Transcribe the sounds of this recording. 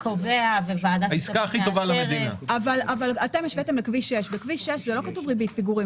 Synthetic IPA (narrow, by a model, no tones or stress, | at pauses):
koveavevad̪aaiskaːχitovalamed̪ina̰avalavalate̞mjeʃvet̪emlekviʃeʃbekviʃeʃzelo̞katuvʁibit̚piɡuʁi